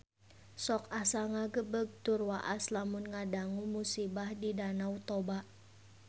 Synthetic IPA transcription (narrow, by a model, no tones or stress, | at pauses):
sɔkasaŋaɡəbəɡ̚t̪urwaʔaslamunŋadaŋumusibahdidanaut̪ɔbaʔ